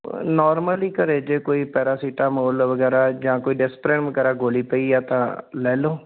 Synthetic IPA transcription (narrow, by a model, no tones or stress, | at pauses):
nɔːɾməliːkəɾeːd͡ʒeːkoːiːpɛːɾaːsiːʈaːmoːlʋəɡɛːɾaːd͡ʒãːkoːiːɖɪspɾẽːɳʋəɡɛːɾaːɡoːliːpəiːɛːt̪ãːlɛːloː